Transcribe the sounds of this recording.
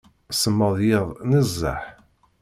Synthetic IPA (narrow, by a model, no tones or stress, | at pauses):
səmːəðˤjɪðˤnəzːə̰ħ